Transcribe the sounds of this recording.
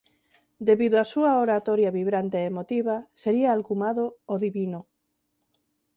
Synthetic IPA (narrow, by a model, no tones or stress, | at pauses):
d̪eβiðoasuaoɾat̪oɾjaβiβɾant̪eːmot̪iβaseɾiaːlkumaðooðiβino